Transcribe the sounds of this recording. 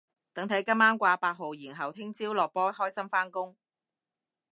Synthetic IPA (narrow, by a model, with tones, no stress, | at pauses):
t̪ɐ˨˥ŋt̪ʰɐ˨˥jkɐ˥mːaː˥nkʷaː˧paː˧t̚ɦo˨wjiː˨˩nɦɐ˨wt̪ʰɪ˥ŋt͡siː˥wlɔː˨k̚pɔː˥hɔː˥jsɐ˥mfaː˥nkʊ˥ŋ